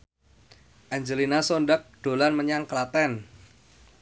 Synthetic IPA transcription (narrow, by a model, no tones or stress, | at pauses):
ʔaɲd͡ʒəlinasonɖak̚ɖ̥o̤lanməɲaŋkəlat̪ɛn